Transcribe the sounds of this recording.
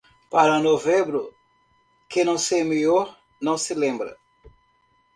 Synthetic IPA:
paɾɐnovẽbɾʊ | kẽnɐ̃w̃semejɔɾ | nɐ̃w̃sɪlẽmbɾɐ̰

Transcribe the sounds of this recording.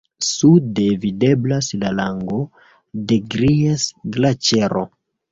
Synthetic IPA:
sudevide̞blaslalaŋɡo̞ | de̞ɡɾiesɡlat͡ʃe̞ɾo̰

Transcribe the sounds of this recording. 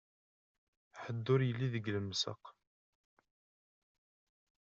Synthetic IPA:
ħəd̪ːʊɾjəlːiðəɡləmːsə̰q

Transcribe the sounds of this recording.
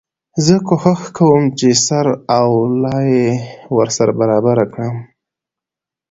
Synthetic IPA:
zəkoxəxkʰawəmt͡ʃesaɾawlɑjewəɾsaɾabaɾɑbaɾakɽəm

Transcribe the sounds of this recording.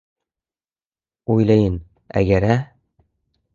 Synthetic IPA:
ujlˠɑjɤn | æ̰ɡæɾæ

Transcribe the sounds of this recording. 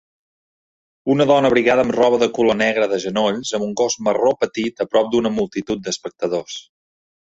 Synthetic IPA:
unəðɔnəβɾiɣaðəmrɔβəðəkulonɛɣɾəðəʒənoʎzəmuŋɡozməropət̪it̪əpɾɔp̚d̪unəmulˠt̪it̪ut̪̚d̪əspək̚t̪əðos

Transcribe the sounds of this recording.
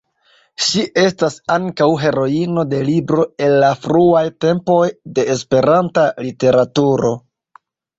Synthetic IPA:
ʃiʔe̞stasaŋkawɦe̞ɾo̞ino̞de̞libɾo̞e̞nːafɾuajte̞mpo̞jde̞ːspe̞ɾantalite̞ɾatuɾo̞

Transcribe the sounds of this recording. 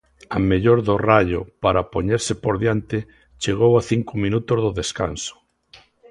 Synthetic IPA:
ameʎoɾðoraʎʊpaɾapoɲeɾsɪpoɾðjant̪ɪ | t͡ʃeɣowaθiŋkʊmĩnut̪ozðoðeska̰nso̥

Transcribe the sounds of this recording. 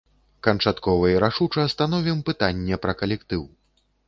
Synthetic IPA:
kɐnt͡ʂat̪kɔvɐiɾaʂut͡ʂɐɐst̪anɔvʲimpɨt̪anʲːɛpɾɐkɐlʲɛkt̪ɨw

